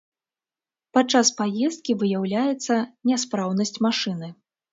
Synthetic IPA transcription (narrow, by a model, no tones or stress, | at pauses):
pat͡ʂːaspajɛst̪̚kʲivɨjawlʲajɛt̪sːɐnʲɛspɾawnɐsʲt͡sʲmaʂɨnɨ